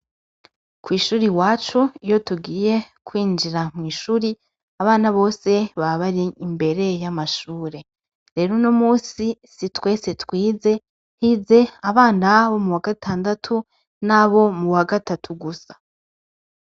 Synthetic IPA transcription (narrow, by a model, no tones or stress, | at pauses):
kwiːʃuːɾiwaːt͡ʃuijo̞tuɡiːje̞kwiːnd͡ʒiɾamŋiːʃuɾi | aβaːnaβo̞ːse̞βaβaɾiːmbe̞ɾe̞jamaʃuːɾe̞ | ɾe̞ːɾonomuːsisitwe̞ːse̞twiːze̞ | hiːze̞aβaːnaβo̞muwaɡatʰaːndatʰu | naβo̞muwaɡatatʰuɡusḁ